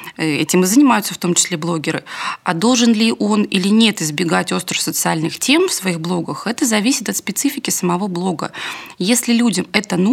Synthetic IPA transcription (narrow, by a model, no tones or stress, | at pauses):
ɛ̰tʲɪmɨzənʲɪmajʊt̪səft̪o̞mt͡ɕɪ̥sʲlʲeblˠo̞ɡʲɪɾɨɐd̪o̞lˠʐɨnlʲɪʔo̞nilʲɪnʲe̞t̪ɪzbʲɪɡatʲo̞st̪ɾəfsət̪sɨalʲnɨxtʲe̞mfsvɐiɣblˠo̞ɡəxɛt̪əzɐvʲisʲɪt̪ɐt̪spʲɪt̪sɨfʲɪkʲɪsəmɐvo̞blˠo̞ɡə̰jesʲlʲɪlʲudʲəmɛt̪ənu